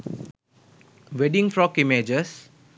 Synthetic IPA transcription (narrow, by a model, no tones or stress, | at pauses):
wedĩŋfɾɔkimed͡ʒəs